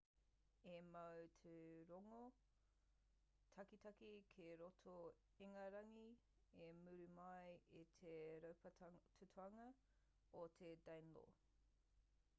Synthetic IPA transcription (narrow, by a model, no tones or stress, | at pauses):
emɐwtʰeɾoŋo | tʰɐkitʰɐkikʰeɾotʰo | eŋɐɾɐŋi | emʉɾʉmɐjitʰeɾɐwpɐtʰutʰuɐŋɐ | otʰedɐjnlo̰